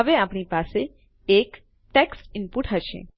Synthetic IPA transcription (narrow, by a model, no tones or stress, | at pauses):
əʋeapɳipase | ek | ʈeksʈɪmpuʈɦəʃḛ̃